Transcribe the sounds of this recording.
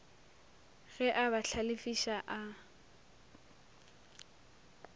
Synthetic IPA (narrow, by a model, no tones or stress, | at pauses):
ɣɛʔabaɬʰalɪfiʃaʔa